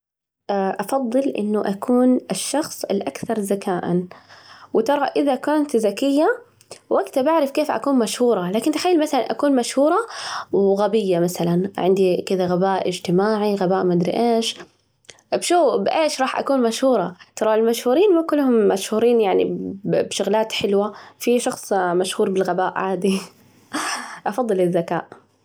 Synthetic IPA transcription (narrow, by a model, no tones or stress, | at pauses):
aʔɑfɑðˤːɨlʔɪ̰nːʊʔakʰuːnɪʃːɑxsˤɪlʔakθɑɾˤzakaːʔa̰nwɪt̪ɑɾˤɑʔɪðakʊnt̪zakɪjːa | wʔaɡt̪abaʕɾɪfkeːfʔa̰kuːnmaʃhuːɾˤɑlaːkɪnt̪xajːɪlmaθala̰nʔakuːnmaʃhuːɾˤɑwɣabɪjːamaθalanʕɪnd̪ikɪd̪aɣabaːʔɪ̰d͡ʒt̪ɪmaːʕiɣabaːʔmad̪ɾḭʔeːʃ | bʃuːbʔeːʃɾˤɑːħʔa̰kuːnmaʃhuːɾˤɑt̪ɑɾˤɑɪlmaʃhuːɾiːnmakʊlːhʊmːaʃhuːɾiːnjaʕnḭbʃʊɣlaːt̪ħɪlwafiʃɑxsˤmaʃhuːɾˤbɪlɣabaːʔʕaːd̪i | ʔɑfɑðˤːɨlɪzːaka̰ːʔ